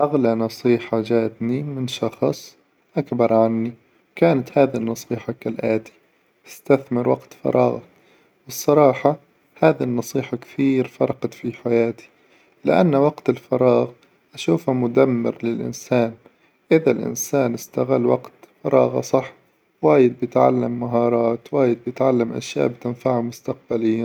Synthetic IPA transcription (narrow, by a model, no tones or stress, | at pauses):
ʔaɣlanɑsˤiːħad͡ʒaːt̪nimɪnʃɑxsˤ | ʔakbɑɾˤʕanːi | kaːnat̪haːðinːɑsˤiːħɑkalʔaːt̪i̥ | ʔɪst̪aθmɪɾwa̰qt̪fɑ̰ɾˤʔɑ̰ːɣɑ̰ | wɨsˤːɑɾˤɑːħɑ | haːðinːɑsˤiːħakθiːɾfɑ̰ɾˤɑqɑt̪fiħajaːt̪i̥ | lɪ̰ʔa̰nːwaqt̪ɪlfɑɾˤɑːɣ | ʔaʃuːfamʊd̪amːɪ̰ɾlɪlʔɪ̰nsaːn | ʔɪðalʔɪ̰nsaːnɪst̪aɣalːwa̰qt̪fɑɾˤʔɑ̰ːɣɑ̰sˤɑħ | waːjɪd̪̚bɪjɪt̪ʕa̰lːamːaɦɑːɾˤɑːt̪waːjɪd̪̚bjɪt̪ʕalːamʔa̰ʃja̰ːʔbt̪ɪnfaʕamʊst̪aq̚baliː